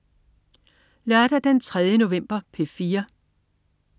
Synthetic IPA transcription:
lɶɐd̥æd̥ent͡sʰʁɛð̞ˠjəno̝ʋem̰b̥ɐpʰe̝fiːɐ

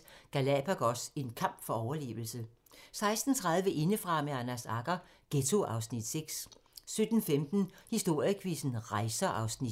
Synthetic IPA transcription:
ɡ̥ælɛpʰæɡ̥ɒ̽se̝nkʰɑ̈m̰b̥fɒ̽ɒʊɐle̝̰ːʊl̩sə | sɑ̈ɪsd̥n̩t͡sʰʁɑ̈ðˠʋəʔe̝nəfʁɑ̈meænæsɑ̈ɡ̥ɐ | ɡ̥et͡sʰo̝ʔɑ̈ʊsnid̥seɡ̥ssød̥n̩femd̥n̩hisd̥o̝ɐ̰jəkʰʋisn̩ʁɑ̈ɪsɐʔɑ̈ʊsni

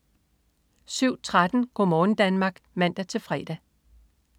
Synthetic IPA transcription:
syʊ̰t͡sʰʁad̥n̩ɡ̥ɒ̰mɒːn̩d̥ænmɑ̈ːɡ̥mæn̰d̥æt͡sʰe̝lfʁɛːd̥æ

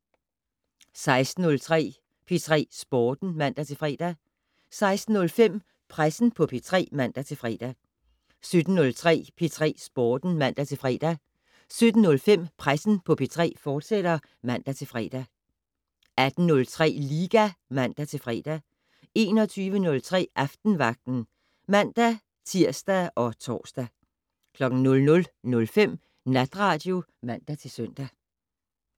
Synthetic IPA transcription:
sɑ̈ɪsd̥n̩ɔ̽lt͡sʰʁɛ̰ː | pʰet͡sʰʁɛ̰ːsb̥ɒːd̥n̩mæn̰d̥æt͡sʰe̝fʁɛ̰ːd̥æ | sɑ̈ɪsd̥n̩nɔ̽lfem̰ | pʰʁasn̩pʰɒ̽pʰet͡sʰʁɛ̰ːmæn̰d̥æt͡sʰe̝fʁɛ̰ːd̥æ | sød̥n̩ːɔ̽lt͡sʰʁɛ̰ːpʰet͡sʰʁɛ̰ːsb̥ɒːd̥n̩mæn̰d̥æt͡sʰe̝fʁɛ̰ːd̥æ | sød̥n̩nːɔ̽lfem̰pʰʁasn̩pʰɒ̽pʰet͡sʰʁɛ̰ːfɒːd̥sed̥ɐ | mæn̰d̥æt͡sʰe̝lfʁɛ̰ːd̥æ | æd̥n̩nɔ̽lt͡sʰʁɛ̰ːliːɡ̥æmæn̰d̥æt͡sʰe̝lfʁɛ̰ːd̥æ | e̝̰ːnɒ̽t͡sʰyːʋənɔ̽lt͡sʰʁɛ̰ːʔɑfd̥n̩ʋɑ̈ɡ̥̚d̥n̩ | mæn̰d̥æ | t͡sʰiɐ̰sd̥æʔɒ̽t͡sʰɒ̰ːsd̥æ | kʰlɒ̽ɡ̥n̩nɔ̽lnɔ̽lnɔ̽lfem̰ | næd̥ʁɑ̈ːd̥jo̝ | mæn̰d̥æt͡sʰe̝lsøn̰d̥æ

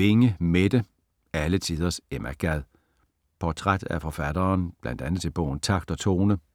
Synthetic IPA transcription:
e̝ŋəmed̥ə | ælət͡sʰiðˠɐsemʔæɡ̥æðˠ | pʰɒt͡sʰʁad̥æfɒ̽fæd̥ɐːnb̥lænd̥ænð̩ˠt͡sʰe̝lb̥ɔ̽ʊ̰n̩t͡sʰɑ̈ɡ̥d̥ɒ̽t͡sʰo̝ːnə

